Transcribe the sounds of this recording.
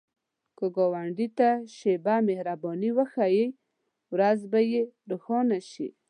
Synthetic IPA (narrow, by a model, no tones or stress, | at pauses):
kəɡɔwaɳɖit̪aʃebamehɾabɔniwəxajej | wɾazbajeɾuxɔnaʃḭ